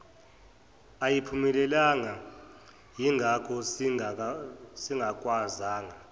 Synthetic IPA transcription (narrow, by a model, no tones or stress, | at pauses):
ajipʰumɛlɛlaŋa | jiŋʱakʰɔ | siŋɡʱak̬ʼwazaːŋa